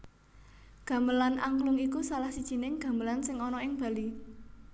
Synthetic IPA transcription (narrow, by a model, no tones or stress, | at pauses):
ɡ̥a̤mbəlanaŋklʊŋikusalahsid̥ʒ̥i̤nɪŋɡ̥ä̤mbəlansɪŋɔnɔɪŋb̥ä̤li